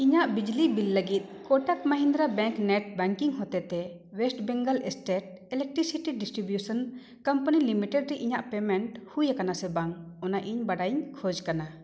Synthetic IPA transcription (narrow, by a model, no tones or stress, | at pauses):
iɲaʔbid͡ʒlibilːəɡit̪̚ˀkɔʈakməɦind̪ɾabɛ̃ŋknɛʈ̚bɛŋkiŋɦɔt̪ɛt̪ɛ | wɛsʈbɛŋɡəlɛsʈeʈ̚ | ɛlɛk̚ʈɾisiʈiɖisʈɾibjusən | kəmpənilimiʈɛɖɾɛʔiɲaʔpɛmɛɳʈhujakanasɛbaŋɔnaʔiɲbaɽajɲkʰɔd͡ʒkana